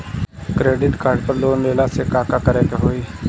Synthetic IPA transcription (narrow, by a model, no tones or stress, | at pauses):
kɾeːɖɪʈkaːɾɖpəɾloːnd̪eːlaːseːkaːkaːkəɾeːpeɦoːiː